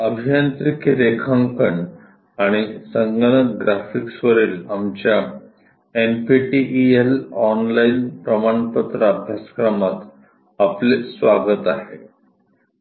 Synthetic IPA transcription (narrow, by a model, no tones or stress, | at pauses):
əbʱijant̪ɾikɾekʰaŋkəɳɖ | aɽ̃isəŋɡəɳəɡɾafiksʋəɾiːlamt͡ɕja | enpiʈiʔielɔnlainpɾəmaɳpət̪ɾəːbʱjasə̥kɾəmat̪ | aplesʋaɡət̪a̰ɦḛ